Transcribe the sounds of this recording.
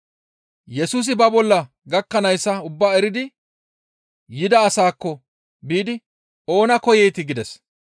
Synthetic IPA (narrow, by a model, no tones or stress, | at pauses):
jɛsuːs̬ɪbɐbɔlːɐ | ɡɐkːɐnɐjsːɐʊbːaːɛɾɪd̪ɪ | jɪd̪ɐːsaːkːɔ | biːd̪ɪ | o̞ːnɐkɔjɛjt̪ɪɡɪd̪ɛs